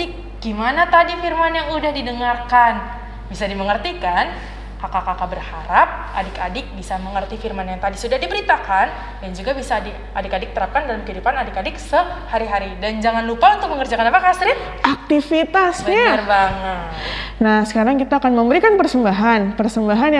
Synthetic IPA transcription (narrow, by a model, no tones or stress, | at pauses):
ɪk̚ | ɡ̥imanat̪adifirmanjaŋudahdidəŋarkan | bisadiməŋərt̪ikan | kakakakabərhaɾap̚ʔadɪkadɪk̚bisaməŋərt̪ifirmanjaŋt̪adisudahdibəɾit̪akan | dand͡ʒuɡabisadi | adɪkadɪk̚t̪əɾap̚kandalamkəɦidupanadɪkadɪksəhaɾiɦaɾidand͡ʒaŋanlupaunt̪ʊk̚məŋərd͡ʒakanapakast̪ɾɪt | ʔak̚t̪ifit̪asbəɲaarbaŋət̪nahsə̥kaɾaŋkit̪aːkanməmbəɾikanpərsəmbaɦanpərsəmbaɦanj